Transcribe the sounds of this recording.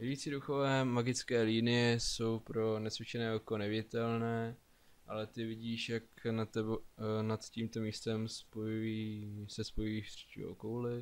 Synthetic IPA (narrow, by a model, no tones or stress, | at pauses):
vjɪjiːt͡siduxovɛːmaɡɪt͡skɛːliːnɪjɛso̞wpɾo̞nɛsvɪt͡ʃɛnɛːoko̞nɛvɪɟɪt̪ɛlnɛː | ʔalɛt̪ɪvɪɟiːʃjaknat̪ɛbonat̪ciːmt̪o̞miːst̪ɛmspojuisɛspojuiːʃt̪r̥i̥cḭo̰kowlɪ